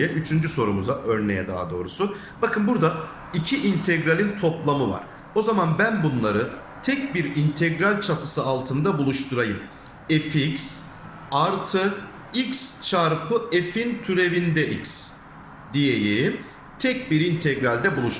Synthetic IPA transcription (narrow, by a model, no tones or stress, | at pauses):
ɛʔyt͡ʃʰynd͡ʒyso̞ɾumuzaʔøɾnejɛd̪a̰ɦad̪o̞ːɾusu | bakʰɯnbuɾd̪a | icʰiʔint̪ʰɛɡɾalʲint̪ʰo̞plˠamɯva̰ɾ̥ | o̞zamanbænbunlˠaɾɯ | t̪ʰɛc̚biɾint̪ʰɛɡɾalʲt͡ʃʰap̪ʰɯsɯalˠt̪ʰɯnd̪abulˠuʃt̪ʰuɾajɯm | efiks | aɾt̪ʰɯ | ikst͡ʃʰaɾpʰɯefint̪ʰyɾe̞vind̪ɛʔics | d̪ijeji | t̪ʰɛc̚biɾint̪ʰɛɡɾalʲd̪ɛbulˠuʃ